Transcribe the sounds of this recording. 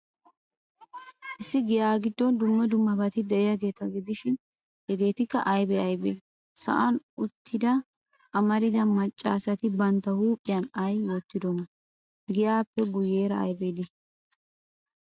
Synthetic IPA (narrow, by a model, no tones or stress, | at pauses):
ʔɪsːɪɡɪjaːɡɪd̪ːɔnd̪ʊmːɛd̪ʊmːɐbɐt̪ɪd̪ɛʔɪjɐɡe̞ːt̪ɐɡɪd̪ɪʃɪn | hɛɡe̞ːt̪ɪkːɐʔɐjbɛɐjbeː | sɐ̰ʔɐnʊt̪ʰːɪd̪ɐ | ʔɐmɐɾɪd̪ɐmɐt͡ʃʼːaːsɐt̪ɪbɐnt̪ːɐhuːkʼːɪjɐnɐjwot̪ːɪd̪ɔmɐ | ɡɪjaːpːɛɡʊje̞ːɾɐɐ̰jbeːd̪ɪ